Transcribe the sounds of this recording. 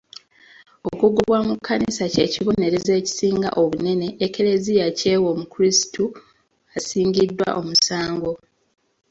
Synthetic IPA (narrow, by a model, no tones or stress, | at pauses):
o̞kuɡuβwamukʰːanisace̞̰ːciβo̞ne̞ɾe̞ze̞ːci̥siːŋɡa̰ʔo̞βune̞ne̞ʔːke̞ɾe̞zijace̞ːwo̞mukuɾisi̥tu | asiːŋɟidːwa̰ʔo̞̰musaːŋɡo̞